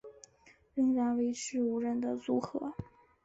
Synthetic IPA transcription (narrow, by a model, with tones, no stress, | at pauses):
ɻə˥ŋɻa˧˥nwe˧˥ɪʈ͡ʂʰɻ̩˧˥u˧˥ɻə˧˩nd̪ə˨t͡su˧˥xɤ̰˧˥